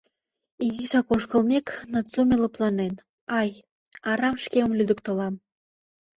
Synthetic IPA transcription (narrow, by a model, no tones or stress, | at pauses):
iɣisɑkoʃkə̆lmʲeknɑt͡sumʲelə̆plˠɑnen | ɑj | ɑɾɑmʃkemə̆mlʲyd̪ə̆kt̪olɑm